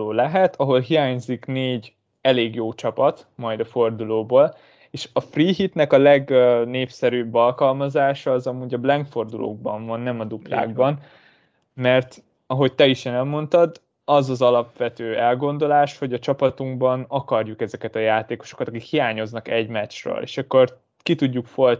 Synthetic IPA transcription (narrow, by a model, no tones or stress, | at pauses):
oːlɛɦɛt̪ʰɒɦo̞lɦijaːɲzikneːɟ | ɛleːɡjoːt͡ʃɒpɒt̪mɒjd̪ɒfo̞rd̪uloːboːl | eːʃɒfriːɦit̪nɛkɒlɛɡneːfsɛɾyːbːɒlkɒlmɒzaːʃɒːzɒmuːɟɒblɛŋkfo̞rd̪ulʔo̰ːɡ̚bɒɱvɒnːɛmɒd̪upla̰ːɡ̚bɒn | mɛrt̪ | ɒɦo̞ct̪ɛiʃeːnɛlmo̞nt̪ɒd̪ | ɒzɒzɒlɒpʋɛt̪øːɛlɡo̞nd̪o̞laːʃho̞ɟɒt͡ʃɒpɒt̪uŋɡbɒnɒkɒrjukɛzɛkɛt̪ɒjaːt̪eːko̞̥ʃo̞̥kɒt̪ɒkikhijaːɲo̞znɒkɛɟmɛt͡ʃrø̰ːlḛːʃɒkːo̞r | kit̪uɟːukfo̞l